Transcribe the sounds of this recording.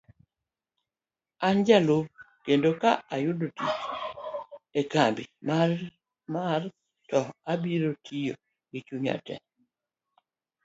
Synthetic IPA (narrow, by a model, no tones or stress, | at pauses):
and͡ʒalub̚ | kendokaʔajʊdotit͡ʃ | ekambḭma | mar | tɔabiɾotʰijo | ɡɪt͡ʃuɲa̰tɛ̰